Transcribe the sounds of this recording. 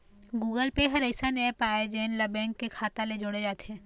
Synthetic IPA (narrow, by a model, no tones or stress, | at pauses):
ɡuːɡəlpeɦɐɾəɪsanɛpaːed͡ʒeːnlɐbɛ̃ːŋkːekʰaːt̪aled͡ʒoːɽed͡ʒaːt̪ɛ̃ː